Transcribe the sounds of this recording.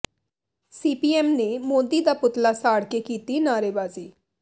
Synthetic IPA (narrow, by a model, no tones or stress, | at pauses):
siːpiːɛːmneːmoːd̪iːd̪aːpʊt̪laːsaːɽkeːkiːt̪iːnaːɾeːbaːziː